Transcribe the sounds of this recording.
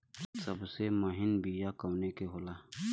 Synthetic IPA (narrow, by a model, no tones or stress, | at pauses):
səbsemaɦɪnbijakaːnekeɦoːlaː